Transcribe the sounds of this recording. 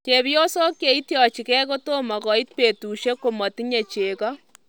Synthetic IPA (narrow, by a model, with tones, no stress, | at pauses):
ke˨βi˦o˦so˦kje˨i˦tjɔ˨t͡ʃi˨kɛ˦ko˦to˦ma˨kɔ˨i˦t̚pe˨tu˨ʃe˦ko˨mɔ˨ti˦ɲe˨t͡ʃeː˨kɔ˦